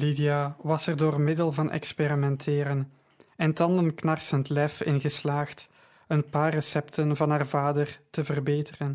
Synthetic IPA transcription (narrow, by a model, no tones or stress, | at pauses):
lidijaʋɑsɛrdoːrmɪdəlˠvɑnʔɛ̰kspeɾimɛntʰɪːɾən | ɛntɑndənknɑrsəntlɛfɪnɣəslaːxt | ənpaːrːəsɛptənvɑnɦaːrvaːdərtəvərbeːtərən